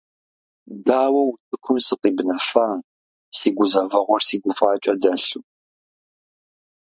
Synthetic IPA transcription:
daːwɐwtʰɨkʷʰʊmsɨqiːbnɐfaː | siːɡʷʊzɐvɐʁʷɔrsiːɡʷʊfʼaːt͡ʃʼɐdɐsu

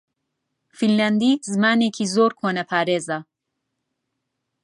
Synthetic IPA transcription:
finland̪iːt̪zmaːnekʰizoːɾkʰonɐpʰaɾezɐ

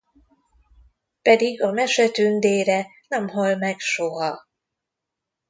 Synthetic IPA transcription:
pɛd̪iɡɒmɛʃɛt̪ynd̪eːɾɛnɛmɦolmɛkʃoɦɒ

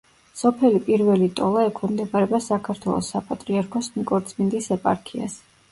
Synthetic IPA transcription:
sɔpʰɛlipʼiɾvɛlit̪ʼɔlˠaɛkʰɔmd̪ɛbaɾɛbasakʰaɾt̪ʰwɛ̰lˠɔ̰sːapʼat̪ʼɾiaɾkʰɔsnikʼɔɾt̪sʰʼmind̪isɛpʼa̰ɾkʰia̰s

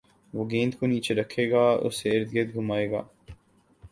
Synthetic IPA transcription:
ʋoːɡẽːnt̪koniːt͡ʃeɾɐkʰːeːɡaːʊ̰seɪɾd̪ɡed̪̚ɡʱʊmaːeːɡa̰ː

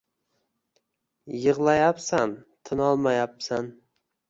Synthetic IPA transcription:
jɨʁlˠajapsant̪ʰɪnɒlˠmajapsan

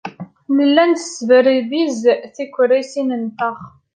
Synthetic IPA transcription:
nəlːænθə̥svəɾiðizθikʷːɾisinənt̪ɑʁ

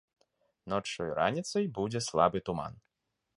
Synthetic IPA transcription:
nɔt͡ʂɔjɾa̰nʲit̪sɐjbud͡zʲɛslˠa̰bɨt̪uma̰n

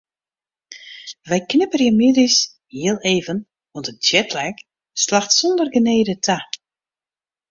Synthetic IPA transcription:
ʋɛjknɪpərjəmɪdis | hiəlˠeːvən | ʋɔntət̚djɛtʰlɛk | slaxtsɔndərɡəneːdətʰa

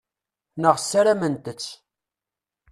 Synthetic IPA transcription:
nəʁsːaɾæmənt̪ət͡sː

